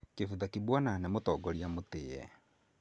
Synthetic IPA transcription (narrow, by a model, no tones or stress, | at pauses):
kefuðakibwananɛmotɔɡɔɾiamotejɛ̰